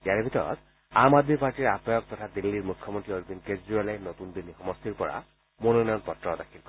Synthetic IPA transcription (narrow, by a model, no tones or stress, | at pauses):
ijaɹbʱitɔɹɔ̰t | amad̪mipaɹtiɹapɔjɔk̚t̪ɔt̪ʰad̪ilːiɹmukʰːɔmontɹioɹbinkezɹialajnot̪und̪ilːixɔmɔst̪iɹpɔɹa̰ | mononɔjɔnpɔtːɔdakʰilkɔ